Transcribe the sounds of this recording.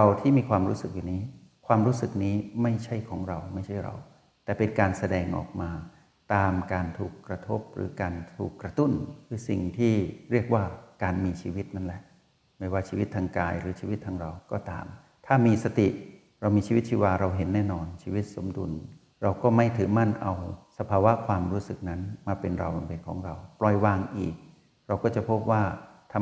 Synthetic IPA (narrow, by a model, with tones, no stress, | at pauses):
ɾa˧wt̪ʰiː˥˩miː˧kʰwaː˧mɾuː˦˥sɯ˨˩k̚juː˨˩niː˦˥ | kʰwaː˧mɾuː˦˥sɯ˨˩k̚niː˦˥ma˥˩jt͡ɕʰa˥˩jkʰɔː˩˦ŋɾa˧wma˥˩jt͡ɕʰa˥˩jɾa̰˧w | t̪ɛː˨˩pe˧nkaː˧nsa˧dɛː˧ŋʔɔ̰ː˨˩k̚maː˧ | t̪aː˧mkaː˧nt̪ʰuː˨˩kːɾa˧t̪ʰo˦˥p̚ɾɯ̰ː˩˦kaː˧nt̪ʰuː˨˩kːɾa˧t̪u˥˩nkʰɯː˧si˨˩ŋt̪ʰiː˥˩ɾi˥˩ək̚waː˥˩kaː˧nmiː˧t͡ɕʰiː˧wi˦˥t̪̚na˥˩lɛ˨˩ʔ | ma˥˩jwaː˥˩t͡ɕʰiː˧wi˦˥t̪ʰːaː˧ŋkaː˧jɾɯː˩˦t͡ɕʰiː˧wi˦˥t̪ʰːaː˧ŋɾa˧wkɔː˥˩t̪a̰ː˧m | t̪ʰaː˥˩miː˧sa˧t̪ḭ˨˩ʔ | ɾa˧wmiː˧t͡ɕʰiː˧wi˦˥t̪̚t͡ɕʰi˧waː˧ɾa˧wɦe˩˦nːɛː˥˩nɔː˧nt͡ɕʰiː˧wi˦˥t̪̚so˩˦mdṵ˧n | ɾa˧wkɔː˥˩ma˥˩jt̪ʰɯː˨˩˦ma˥˩nʔa̰˧wsa˧pʰaː˧wa˦˥ʔkʰwaː˧mɾuː˦˥sɯ˨˩k̚na˦˥nmaː˧pe˧nɾa̰˧wba˧mpe˧nkʰɔ̰ː˩˦ŋɾa˧wplɔː˧jwaː˧ŋʔḭː˨˩k̚ | ɾa˧wkɔː˥˩t͡ɕa˨˩pʰo˦˥p̚waː˥˩t̪ʰa˧